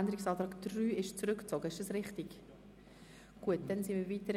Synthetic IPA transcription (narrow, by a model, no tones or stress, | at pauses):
ndəɾɪksɑːtɾɑːkd̥ryːɪʃt͡sɾʏkt͡soɡəɪʃd̥ɑsʁɪχtɪɡ | ɡ̥uət̚d̥ɛnsinviːviːtəɾ